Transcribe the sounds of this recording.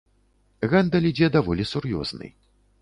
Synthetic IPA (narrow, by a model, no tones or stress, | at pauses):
ɣɛnd̪ɐlʲid͡zʲɛd̪avɔlʲisurjɔ̰znɨ̰j